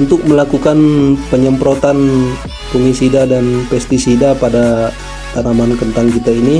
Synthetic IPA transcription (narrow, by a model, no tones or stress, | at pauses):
unt̪ʊk̚məlakukanpəɲəmpɾot̪an | pumisidadanpɛst̪isidapada | t̪anamankənt̪aŋkit̪aini